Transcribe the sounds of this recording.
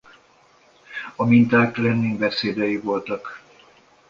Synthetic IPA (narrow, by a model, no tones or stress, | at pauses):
ɒmint̪aːklɛnːiŋbɛseːd̪ɛjivo̞lt̪ɒk